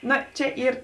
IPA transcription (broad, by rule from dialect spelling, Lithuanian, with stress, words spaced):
ˈnoː ˈt͡ʃʲɛ ˈiːr